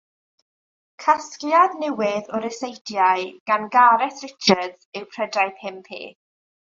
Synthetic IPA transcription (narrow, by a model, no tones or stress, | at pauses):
kʰaskljaðnɛwɪðɔɾəsejdjajɡ̥anɡaɾɛθrɪt͡ʃʰədzɪwpʰr̥ədaɨpʰɪmpʰḭː